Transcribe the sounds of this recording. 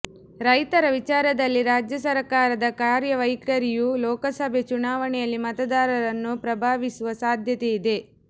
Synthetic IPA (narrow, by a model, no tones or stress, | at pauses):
ɾɐjt̪ɐɾɐʋit͡ʃaːɾɐd̪ɐlːiɾaːd͡ʒjɐsɐɾkaːɾɐd̪ɐkaːɾjɐʋɐjkɐɾijulɔːkɐsɐbʱet͡ʃunaːʋɐɳɛjɐlːimɐt̪ɐd̪aːɾɐɾɐnːupɾɐbʱaːʋisuʋɐsaːd̪ʱjɐt̪eid̪e̞